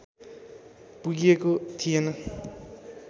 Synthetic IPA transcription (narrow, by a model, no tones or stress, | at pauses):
puɡiekot̪ʰijenʌ